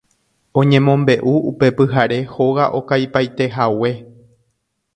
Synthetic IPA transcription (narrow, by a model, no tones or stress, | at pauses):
õ̞ɲẽ̞mõ̞mbe̞ʔuupe̞pɨɦaɾe̞ho̞ɣaʔo̞kajpajt̪e̞ɦawe̞